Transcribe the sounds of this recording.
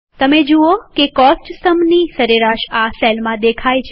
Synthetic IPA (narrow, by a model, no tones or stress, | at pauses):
t̪əmed͡ʒuokekɔsʈsəmnisəɾeɾaʃaselmãd̪ekʰajt͡ʃʰ